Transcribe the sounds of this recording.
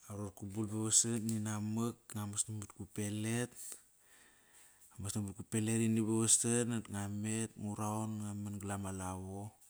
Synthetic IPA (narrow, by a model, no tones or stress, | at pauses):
aɾot̚kubulbaβasanninaməkŋamasnamut̚kupe̞let̚ | amasnambut̚kupe̞leɾinibaβasanatŋame̞t̚ŋuɾaonŋamanɡlamalaβo